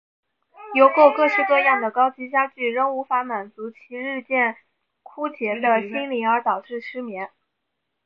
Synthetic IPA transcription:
jo˧˥ʊko˥˧ʊkɤ˥˧ʂɻ̩˥˧kɤ˥˧jɑ˥˩ŋd̪ə˩kɑ˥ʊt͡ɕi˧˥ɕja˥t͡ɕy˥˩ɻə˥ŋu˧˥fa˧˥ma˨˩nt͡su˧˥t͡ɕʰi˧˥ɻɻ̩˥˧t͡ɕjɛ˥˩n | kʰu˥t͡ɕjɛ˧˥d̪ə˧ɕi˥nli˧˥ə˞˧˥t̪ɑ˨˩ʊʈ͡ʂɻ̩˥˩ʂɻ̩˥mjɛ˧˥n

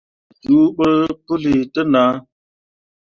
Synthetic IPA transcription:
d͡ʒu˨˦ɓə˦pu˦li˨tə˦na˨˦

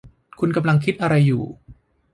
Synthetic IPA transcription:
kʰu˧nka˧mla˧ŋkʰi˦˥t̪̚ʔa˧ɾa˧jːṵː˨˩

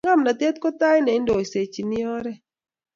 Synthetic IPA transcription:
ŋa˦mna˨t̪e˦t̪̚kɔ˦t̪a˦jnɛ˨ɪ˦ndɔ˨i˨se˨t͡ʃi˨nɪ˦ɔ˦ɾɛ˦

